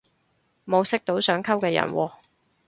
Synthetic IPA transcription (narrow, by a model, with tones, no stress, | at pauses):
mo˨˧wsɪ˥k̚t̪o˨˥wsœː˨˥ŋkʰɐ˥wkɛː˧jɐ̰˨˩nwɔː˧